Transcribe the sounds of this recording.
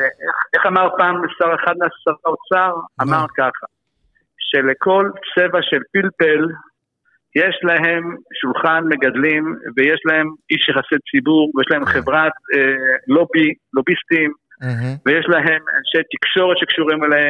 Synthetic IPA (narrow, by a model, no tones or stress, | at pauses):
eʔeχeχamaʁpaːmesaʁeχad̪̚measaʁaot͡saʁamaʁkaχa | ʃe̞le̞ko̞lt͡se̞vaʃe̞lpilpel | jeʃlaɦe̞mʃulχanme̞ɡad̪limvejeʃlahe̞miʃjeχaset͡sibuʁvejeʃlaemχevʁat̪lobilobist̪im | vejeʃlaɦe̞ma̰nʃe̞jt̪ikʃo̞ʁet̪ʃekʃuʁimelehem